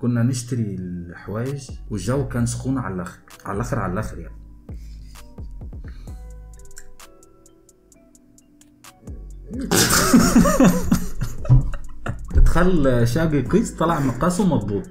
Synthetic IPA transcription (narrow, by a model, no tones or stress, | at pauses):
kʊnːænɪʃt̪aɾilħawæːjɪʒwɪʒːæwːkæːnsʊ̥xuːnʕa̰lʔæxɾʕa̰lʔæxɪɾʕa̰lælʔæxɪɾja̰ʕni | ɪt̪xælːʃæːɡiqiːst̪ˤːɑlɑʕmɑqɑːswmɑt̪ˤbuːt̪ˤ